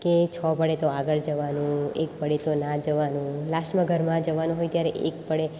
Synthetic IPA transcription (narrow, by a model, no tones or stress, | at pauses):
ket͡ʃʰɔpəɽet̪oaɡəɭd͡ʒəʋanũḛk̚pəɽet̪onad͡ʒəʋanũlasʈmãɡʱəɾmãd͡ʒəʋanũɦojt̪jaɾeʔekpəɽe